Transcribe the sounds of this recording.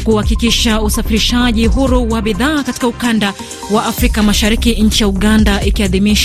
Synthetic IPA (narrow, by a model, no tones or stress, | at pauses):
kuhakikiʃausafiɾiʃaʄiɦuɾuwaɓiðaːkati̥kaukanda | waʔːfɾikamaʃaɾikiɲ̩t͡ʃijauɠandaʔikiaðimiʃa